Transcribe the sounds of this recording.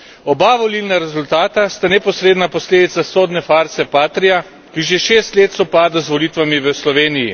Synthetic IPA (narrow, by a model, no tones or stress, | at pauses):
ɔbaʋɔlilnaɾɛzult̪aːt̪ast̪anɛpɔsɾeːd̪napɔsleːd̪it̪sasoːd̪nɛfaːɾsɛpaːt̪ɾija | kiʒeʃeːst̪leːt̪sɔpaːd̪azʋɔlit̪ʋamiʋəslɔʋeːnijḭ